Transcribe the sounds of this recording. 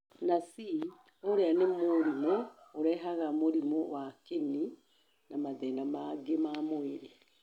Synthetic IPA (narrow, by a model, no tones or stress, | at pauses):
nasi | oɾeanemoɾimooɾɛɦaɣamoɾimowakeni | namaðɛnamaɡemamweɾe